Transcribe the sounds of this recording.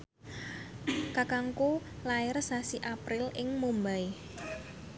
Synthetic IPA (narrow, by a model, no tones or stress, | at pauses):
kakaŋku | laɪrsasiʔapɾɪlɪŋmumbai